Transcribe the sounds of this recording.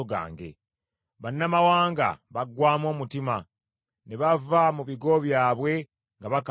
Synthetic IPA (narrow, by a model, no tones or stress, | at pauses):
oɡa̰ːŋɡe̞̰ | βanːamawaːŋɡa̰βaɡwaːmwo̞ːmutima | neβavamuβiɡo̞βjaːβwe̞ | ŋɡaβak